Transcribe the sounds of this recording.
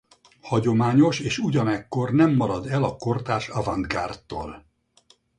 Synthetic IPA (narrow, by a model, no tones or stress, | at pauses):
hɒɟo̞maːɲo̞ʃeːʃuɟɒnɛkːo̞rnɛmːɒɾɒd̪ɛlɒko̞rt̪aːʃɒvɒnd̪ɡa̰ːrt̪ːo̰ːl